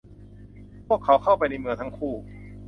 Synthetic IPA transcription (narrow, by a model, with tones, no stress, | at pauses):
pʰu˥˩əkʰːa˨˦˥wkʰa˥˩wpa˧jna˧jmɯ˧əŋt̪ʰa˦˥ŋkʰuː˥˩